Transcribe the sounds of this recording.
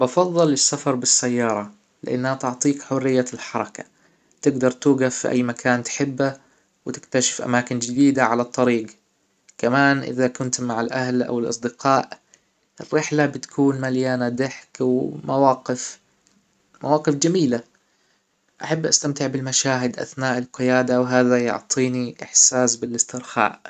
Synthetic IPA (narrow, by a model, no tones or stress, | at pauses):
bɑfɑðˤːɨlɪsːafɑɾˤbɪsːajːɑːɾˤɑ | lɪ̰ʔa̰nːhat̪ʊʕt̪ˤiːkħʊrːɪjːalħɑɾˤɑka̰ | t̪ɪɡd̪ɑɾˤt̪uːɡafːiʔa̰jːmakʰaːnt̪ħɪbːa | wɪt̪ɪkt̪aʃɪ̥fʔa̰maːkɪnd͡ʒɪd̪iːd̪aʕalat̪ˤːɑɾiːɡ | kamaːnʔɪ̰ðakʊnt̪maʕɪlʔahlʔa̰wɪlʔɑ̰sˤd̪ɪqɑːʔ | ʔɪrːɪħlabɪt̪kʰuːnmaljaːnad̪ɪħkwmawaːqɪf | mawɑːqɨfd͡ʒamiːla | ʔaħabːʔast̪amt̪ɪʕbɪlmaʃaːɦɪd̪ʔa̰θnaːʔɪlqɪjaːd̪awɦaːðajʊ̰ʕt̪ˤʰiːniʔɪħsaːsbɪlɪst̪ɪɾxa̰ːʔ